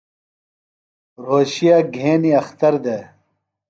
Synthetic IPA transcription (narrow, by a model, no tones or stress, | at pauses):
ɾoːɕijaːɡʱeːniɐxt̪ɐɾd̪eː